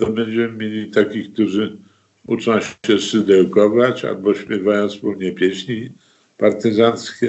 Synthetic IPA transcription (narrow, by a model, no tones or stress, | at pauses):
t̪ɔbɛɲd͡ʑɛmɘmʲjelʲit̪akʲik̚t̪uʐɘ | ṵt͡ʂɔ̃w̃ɕɛsɨd̪ɛwkɔvat͡ɕa̰lbɔɕpʲjɛvajɔ̃nt̪spuwɲɛpʲjɛɕɲi | paɾt̪ɘzanskʲɛ